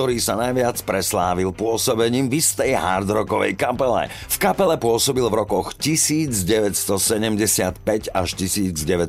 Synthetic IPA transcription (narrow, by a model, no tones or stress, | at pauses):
t̪ɔɾiːsanajʋɪat͡spɾɛslaːʋilpʊɔsɔbɛɲiːmvist̪ɛjɦa̰ɾd̪ɾɔkɔʋɛ̰jkapɛlɛ̰ | fkapɛlɛpʊɔsɔbilvɾɔkɔxcisiːd͡zɟɛʋɛcst̪ɔsɛɟɛmɟɛsɪat̪pɛɟaʃcisiːd͡zɟɛʋɛ